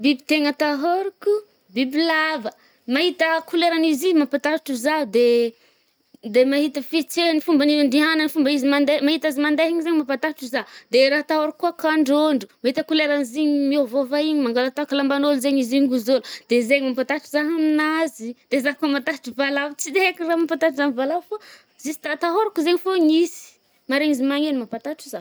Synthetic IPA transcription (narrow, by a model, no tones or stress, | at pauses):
bibit̪eŋət̪aɦoɾiku | bibilavə | mahit̪əkuleɾanizizmapat̪aʈ͡ʂuzad̪e | d̪emaɦit̪əfit͡senifumbanivaɳɖ͡ʐiɦananifumbəizimand̪emaɦit̪azimand̪eɦiɲizeɲmapat̪aʈ͡ʂuzad̪eɾaɦt̪awaɾikuakaɳɖ͡ʐoɳɖ͡ʐumahit̪əkuleɾaniziɲimiovovaiɲimaŋɡalat̪akalambanolzeɲiziɲɡuzolud̪̥ezeɲimapat̪aʈ͡ʂuzaɦaminazid̪ezakomat̪aʈ͡ʂuvalavt͡sid̪ekiramapat̪aʈ͡ʂuzanivalafo | zisi̥t̪at̪aɦoɾakuzeɲifoɲisi̥ | maɾeɲizimaŋenimapat̪aʈ͡ʂiza